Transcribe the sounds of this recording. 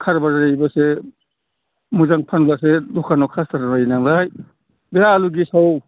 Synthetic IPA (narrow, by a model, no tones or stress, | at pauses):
kʰaɾbaɾajbɐse | muzaŋpʰanlasedukʰanɔkʰastaɾbajnaŋlaj | bealuɡisaw